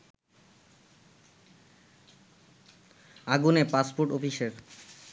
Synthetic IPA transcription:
aɡunepaspoɾʈofiʃeɾ

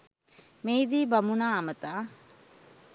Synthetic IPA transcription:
meːd̪iːbɐmunaːɐmət̪aː

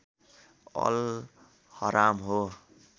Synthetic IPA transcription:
ʌ̰l | hʌɾamɦo

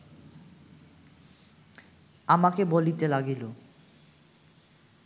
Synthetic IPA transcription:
amakebolit̪elaɡilo

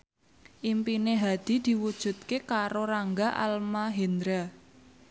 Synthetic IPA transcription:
ʔimpineɦad̪̥i̤d̪̥i̤wud̥ʒ̥ṳt̪̚kekaɾoɾaŋɡaʔa̰lmaɦend̪ɾa

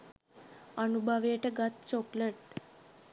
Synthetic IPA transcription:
ənubʱəʋeʈəɡat̪̚t͡ɕokləʈ̚

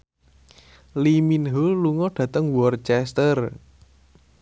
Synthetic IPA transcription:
liminɦoluŋɔɖ̥ä̤t̪əŋwɔrt͡ʃɛst̪ər

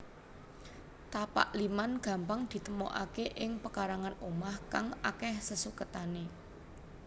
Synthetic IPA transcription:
t̪apa̰ʔlimanɡ̥ä̤mpaŋd̪̥i̤t̪əmo̰ʔa̰keʔɪŋpəkaɾaŋanomahka̰ŋakɛhsəsukət̪ane

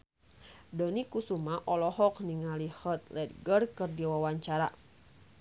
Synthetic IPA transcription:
dənikusumaʔɔlɔɦɔkniŋalihət̪̚lɛd̪̚ɡərkɨrdiwawaɲt͡ʃaɾa̰

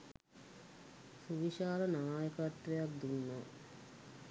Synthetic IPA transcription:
suʋiʃaːlənaːjəkat̪ːʋejak̚d̪unːa

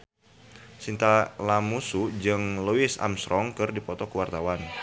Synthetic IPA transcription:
sint̪alamusud͡ʒɨŋluɪsa̰msɾɔŋkɨrdipɔt̪ɔkəwart̪awan

